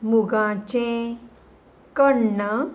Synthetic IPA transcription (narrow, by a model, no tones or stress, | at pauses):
muɡãt͡ɕẽ | kəɽɳə